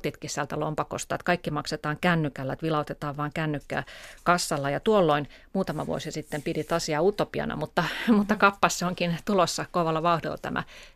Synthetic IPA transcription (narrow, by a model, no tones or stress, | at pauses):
t̪it̪kissælt̪ælompɑko̰st̪ɑːet̪kɑikːimɑkset̪ɑːŋkænːykælːæt̪ʋilɑut̪et̪ɑːʋʋɑːŋkænːykːæ̰ːkɑsːɑlːɑjɑt̪uolːoin | muːt̪ɑmɑʋṵo̰sɑsit̪ːempirit̪ɑsiɑut̪opiɑ̰nɑ̰mut̪ːɑmut̪ːɑkɑpːɑsseoŋkint̪ulosːɑkoʋɑlːɑʋɑuhdḭlːɑ̰t̪æ̰mʔæ̰